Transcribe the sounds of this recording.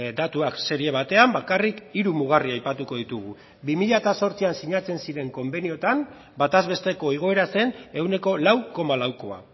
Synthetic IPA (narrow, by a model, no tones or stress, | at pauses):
d̪at̪uakse̞ɾie̞β̞at̪e̞ambakarikiɾumuɣ̞ariajpat̪uko̞ð̞it̪uɣ̞u | bimiʎat̪aso̞ɾt͡siansiɲat͡se̞nsiɾe̞ŋko̞mbe̞nio̞t̪am | bat̪azβe̞st̪e̞ko̞iɣ̞o̞e̞ɾase̞ne̞wne̞ko̞lawko̞malawko̞a̰